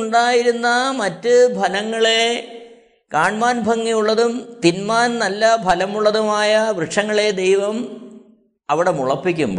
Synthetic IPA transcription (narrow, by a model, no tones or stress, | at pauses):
ɳɖaːjiɾunːɐmɐtːɨbʱɐlɐŋːɐɭe | kaːɳmaːnbʱɐŋːijuɭːɐðumt̪inmaːnnɐlːɐbʱɐlɐmuɭːɐðumaːjɐʋrɨʂɐŋːɐɭe̞d̪ejʋɐm | ɐʋiɽe̞muɭɐpːikʲːumbo